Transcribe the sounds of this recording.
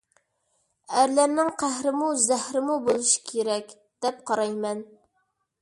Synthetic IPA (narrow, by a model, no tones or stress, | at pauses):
æɾlæɾnɪŋqʰæhɾɪmuzæhɾɪmubolˠuʃi̥kʲʰeɾɛkʲ | d̪̥ɛp̚qʰɑɾɑjmɛn